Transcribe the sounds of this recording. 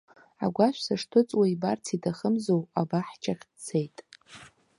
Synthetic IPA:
a̰ɡʷaʃʷsaʂtʰɨt͡sʼwaibart͡sʰitʰaχəmzowabaħt͡ʃʰaχʲdt͡sʰejtʼ

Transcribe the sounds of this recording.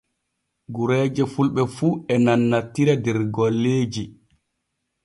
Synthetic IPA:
ɡuɾɛːd͡ʒɛfulɓɛfuɛnanːatːiɾadɛɾɡɔlːeːd͡ʒi

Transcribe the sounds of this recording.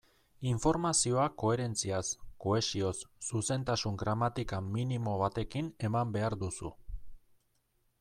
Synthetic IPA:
iɱfo̞ɾmasio̞ako̞e̞ɾe̞nt͡siasko̞e̞sio̞sːuse̞nt̪asuŋɡɾamat̪ikaminimo̞β̞at̪e̞kine̞mambe̞aɾd̪usṵ

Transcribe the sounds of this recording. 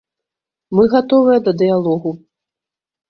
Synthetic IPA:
mɨɣat̪ɔvɨjɐd̪ɐd̪ɨjalˠɔɣu

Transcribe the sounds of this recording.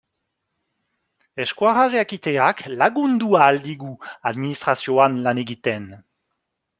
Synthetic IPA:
ɛʃkwaʁaʒeakit̪eaklaɡund̪uald̪iɡuad̪minist̪χasjoanlaneɡit̪ɛn

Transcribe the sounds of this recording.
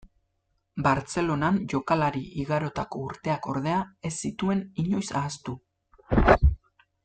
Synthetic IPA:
baɾt͡se̞lo̞nanʝo̞kalaɾiʔiɣaɾo̞t̪ako̞uɾt̪e̞ako̞̰ɾð̞e̞ae̞sːit̪ue̞niɲo̞jsaːst̪u

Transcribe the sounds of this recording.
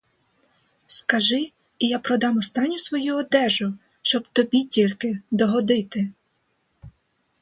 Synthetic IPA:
skɐʒɪ | ijapɾɔd̪ɑmɔst̪ɑnʲːʊsʋɔjuɔd̪ɛʒʊ | ʃt͡ʃɔbt̪ɔbʲitʲilʲkɪd̪ɔɦɔd̪ɪt̪ɪ

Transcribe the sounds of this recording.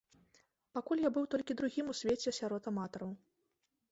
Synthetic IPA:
pakulʲjabɨwt̪ɔlʲkʲid̪ɾuɣʲimusʲvʲet͡sʲɛsʲaɾɔt̪amat̪ɔɾɐw

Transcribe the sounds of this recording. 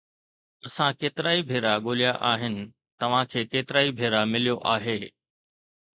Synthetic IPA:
ɐsãkeːt̪ɪɾaːibʱeːɾaɠoːlijaʔaːɦɪnɪ̆ | t̪ɐʋ̤ãkʰeːkeːt̪ɪɾaːibʱeːɾamɪlijoʔaːɦeː

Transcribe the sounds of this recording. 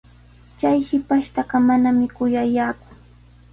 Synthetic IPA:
t͡ʃajhɪpaʃt̪ɑɢɑmanamɪkʊjajaːkʊ̥

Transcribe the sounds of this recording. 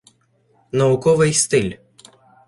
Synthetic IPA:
nɐukɔʋɨjst̪ɪlʲ

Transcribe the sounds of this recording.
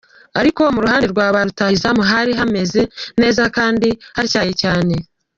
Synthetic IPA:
aɾiko̞muɾuɦaːndeɾɡwaːβaɾutaizamuɦaɾiɦame̞ze̞ne̞ːzakaːndihaɾicaːjecaːne̞

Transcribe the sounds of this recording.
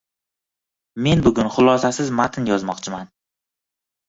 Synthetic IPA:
me̞nbʊɡʲʊnχʊlˠɒsasɪzmat̪ʰɪnjɒzmɒqt͡ʃʰɪman

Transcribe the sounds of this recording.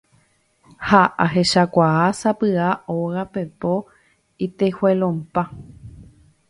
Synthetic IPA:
haʔaɦe̞ʃakʷaasapɨaoɣapepo | it̪ehwelõmpa

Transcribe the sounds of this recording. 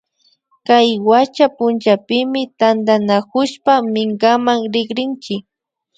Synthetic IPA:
kajwat͡ʃapʊnt͡ʃapɪmɪt̪and̪anakʊʃpamɪŋkamaŋɾɪɡɾɪnt͡ʃɪk

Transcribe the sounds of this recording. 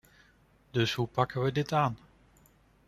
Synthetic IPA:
dɵsɦupɑkənʋədɪtaːn

